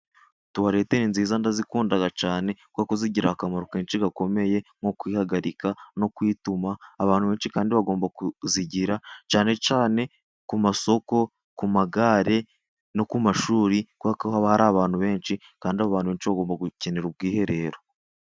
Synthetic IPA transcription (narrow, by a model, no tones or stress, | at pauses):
tuβaɾe̞ːteinziːzandazikuːndaɡat͡ʃaːne̞kwakuziɟiɾahakamaɾokeːnt͡ʃiɡako̞me̞je̞ŋokwiːhaɡaɾikano̞kwitumaːβaːnhuβe̞ːnʃikaːndiβaɡo̞ːmbakuziɟiɾat͡ʃaːne̞t͡ʃaːne̞ | kumaso̞ko̞ | kumaɡaːɾe̞ | nokumaʃuːɾikwakhaβahaɾaːβaːn̥huβe̞ːnʃi | kaːndiaβaːnuβe̞ːnʃiβaɡoːmbaɡuce̞neɾub̚ɡiːhe̞ɾe̞ːɾo̞